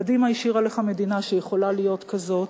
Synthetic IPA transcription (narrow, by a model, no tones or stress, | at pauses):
dimaiʃiʁaleχame̞dinaʃejeχo̞lalijo̞t̪kazo̞t